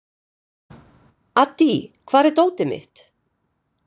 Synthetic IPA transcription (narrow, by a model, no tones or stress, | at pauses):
at̪ːikʰvaːɾɛt̪oːwt̪ɪmɪ̰ht̪